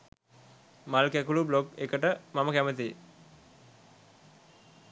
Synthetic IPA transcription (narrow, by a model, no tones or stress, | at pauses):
malkækulublokekəʈəmaməkæmət̪i